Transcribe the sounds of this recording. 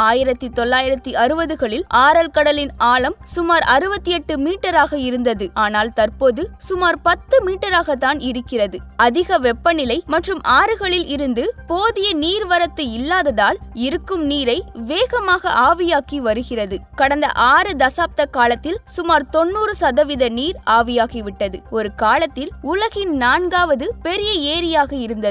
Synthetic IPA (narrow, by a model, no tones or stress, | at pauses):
aːjɪɾɐt̪ːit̪ɔlːaːjɪɾɐt̪ːiɐɾɯbɐðɯɣɐɭɪlʔaːɾɐlkɐɽɐlɪnaːlɐmsʊmaːɾɐɾɯbɐt̪ːiɛʈːɯmiːʈːɐɾaːɣɐɪɾɯnd̪ɐðɯʔaːnaːlt̪ɐrpoːðɯsʊmaːɾpɐt̪ːɯmiːʈːɐɾaːɣɐt̪ːaːnɪɾɯkːɪrɐðɯɐðɪɣɐʋɛpːɐnɪlɐɪmɐʈrɯmʔaːɾɯɣɐɭɪlʔɪɾɯnd̪ɯpoːðɪjɐniːɾʋɐɾɐt̪ːɯɪlːaːðɐðaːlɪɾɯkːɯmniːɾɐɪʋeːɣɐmaːɣɐʔaːʋɪjaːkiʋɐɾɯɣɪrɐðɯkɐɽɐnd̪ɐ̰ʔaːɾɯd̪ɐsaːp̚t̪ɐkaːlɐt̪ːɪlsʊmaːɾt̪ɔnːuːɾɯsɐðɐʋɪðɐniːɾaːʋɪjaːɣiʋɪʈːɐðɯ̰ɔɾɯkaːlɐt̪ːɪlʊlɐɣɪnnaːnɡaːʋɐðɯpɛɾɪjɐeːɾɪjaːɣɐɪɾɯnd̪ɐð